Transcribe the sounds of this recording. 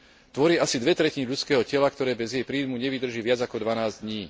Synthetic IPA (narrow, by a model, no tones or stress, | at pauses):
t̪ʋɔɾɪɛʔasid̪ʋɛt̪ɾɛciniʎut͡skɛːɦɔcɛlakt̪ɔɾɛːbɛzjɛjpɾiːmuɲɛʋid̪r̩ʒiːʋɪad͡zakɔd̪ʋanaːzd̪ɲiː